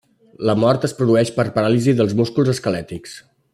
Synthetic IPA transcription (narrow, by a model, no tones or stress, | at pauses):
ləmɔɾt̪əspɾuðuɛʃpəɾpəɾaliziðəlˠzmuskulˠzəskəlɛt̪iks